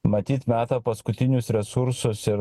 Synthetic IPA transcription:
mɐt̪ʲiːt̪mʲæːt̪ɑːpɐskʊt̪ʲɪnʲʊsɾʲɛsʊɾsʊsɪɾ

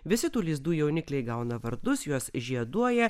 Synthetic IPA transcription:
ʋʲɪsʲɪt̪uːlʲiɪzd̪uːjɛʊnʲɪklʲɛɪɡɐʊnɐʋɐɾd̪ʊsjuɔsʒʲiɛd̪uɔjɛ

